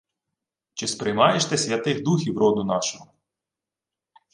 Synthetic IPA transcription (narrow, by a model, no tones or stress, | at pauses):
t͡ʃɪspɾɪjmɑjeʃt̪ɛsʲʋʲjʲɐt̪ɪxd̪uxʲiwɾɔd̪ʊnɑʃɔɦɔ